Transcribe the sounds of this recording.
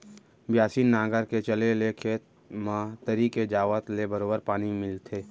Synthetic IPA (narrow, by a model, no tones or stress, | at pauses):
bjaːsiːnːãːɡəɾket͡ʃəlelekʰe | mãt̪əɾiked͡ʒaːʋət̪lebəɾoːbəɾpaːnimɪlt̪ʰeː